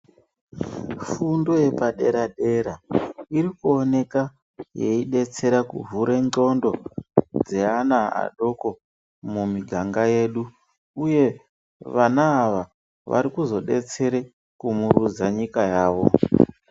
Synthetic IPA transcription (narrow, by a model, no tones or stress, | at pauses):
fundo̞je̞paɗe̞ɾadʱe̞ɾaiɾikuone̞ka | jḛiɗe̞t͡se̞ɾakṵvʱuɾe̞o̞ndo̞d͡ze̞anaa̰ɗo̞ko̞ | mumiɡʱaŋɡaje̞ɗu | uje̞ | ʋanaːʋa | ʋa̰ɾikuzo̞ɗe̞̰t͡se̞ɾe | kumuɾud͡zaɲikajaːʋo̞̰